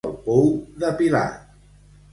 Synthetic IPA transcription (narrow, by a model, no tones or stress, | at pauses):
lˠpuwðəpila̰